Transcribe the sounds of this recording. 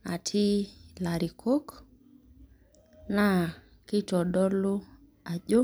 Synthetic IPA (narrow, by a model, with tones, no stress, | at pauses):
a̰˨tʰi˦la˨ɾi˨kʰo˦k | na˦˨ | ki˦tɔ˨dɔ˦lo˦ | a˨ʄo˦